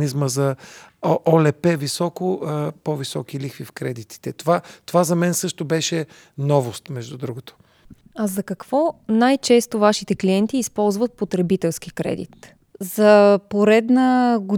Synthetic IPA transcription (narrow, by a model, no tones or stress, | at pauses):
nizməzɐ | ʔɔlɛpɛvisɔkopɔvisɔkilixfifkɾɛd̪it̪i̥t̪ɛt̪ovat̪ovazɐmɛnsɤʃt̪obɛʃɛ | nɔvost̪mɛʒd̪ud̪ɾuɡot̪o̥ | ɐzɐkɐkv̥ɔnajt͡ʃɛst̪ovaʃit̪ɛkliɛnt̪iːspɔlˠzvət̪̚pot̪ɾɛbit̪ɛlˠskikɾɛ̰d̪ḭt̪ | zɐpoɾɛd̪nəɡʊ